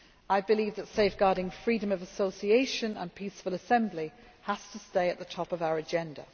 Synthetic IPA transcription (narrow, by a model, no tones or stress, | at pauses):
aɪbɪliːvðətseɪfɡ̥ɑːɾɪ̃ŋfɹiːdə̃məvəsoʊsieɪʃə̃nə̰̃npʰiˑsfələsɛ̃mbli | həstʰəsteɪəʔðətʰɒpəvaʊəɹəd͡ʒɛ̃ndə̰